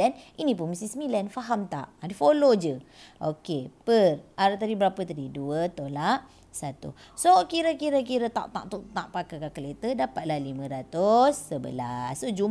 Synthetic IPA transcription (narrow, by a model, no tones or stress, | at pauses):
ɛninĩp̬ʊnməst̪isəmilanfaɦamt̪a̰ʔadifolod͡ʒə | ʔokepəraɾat̪̬adibəɾapət̪adiduət̪olaʔ | sat̪ṵ | sokiɾəkiɾəkiɾət̪a̰ʔt̪a̰ʔt̪uʔt̪aʔpakakakəlet̪ədapat̪̚lahlimə̃ɾat̪ʊsːəbə̰la̰sːod͡ʒu